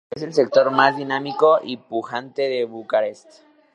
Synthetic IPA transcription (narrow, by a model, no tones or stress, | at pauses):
ese̞ls̬e̞k̚t̪o̞ɾmazðinamiko̞ʔipuxant̪e̞ðeβukaɾest̪